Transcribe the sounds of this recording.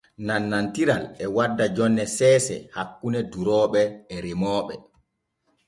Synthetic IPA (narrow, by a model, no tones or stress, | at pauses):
nanːantiɾalɛwadːad͡ʒɔnːɛsɛːsɛ̰hakːunɛduɾɔːɓɛːɾimɔːɓɛ̰